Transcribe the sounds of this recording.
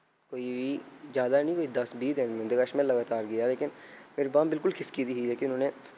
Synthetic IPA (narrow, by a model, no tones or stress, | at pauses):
koːiizjaːd̪aɛnĩːkoːid̪ɐsbiːt̪ɦɛmɪ̃nd̪ɡaʃmelːɐɡaːt̪aːɾɡɪjaːleːkɪnmeːɾebaːmbɪlkʊlxʰɪskid̪iɦileːkɪnõːnẽː